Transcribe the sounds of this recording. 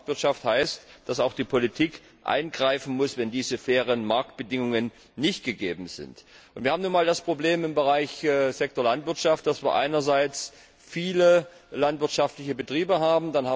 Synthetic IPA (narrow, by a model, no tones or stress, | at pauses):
tv̥ɪɐtʃafthaɪstd̥asaʊxd̥iːpʰolitʰiːk | ʔa̰ɪnɡʁaɪfn̩mʊsvɛndiːzəfɛːʁ̞ənmaɐk̚t̚b̥ədɪŋʊŋənː | ɪçt̚ɡ̥əɡeːbm̩zɪ̰nt | ʔʊntviːaːmnuːnmaːldaspʁ̥obleːmɪmbəʁaɪçzɛk̚toɐlantv̥ɪɐtʃaft̚d̥asv̥iːɐʔa̰ɪnɐzaɪt͡s | fiːlə | lantv̥ɪɐtʃaftlɪçəbətʁ̥iːbəɦaːbm̩danhaː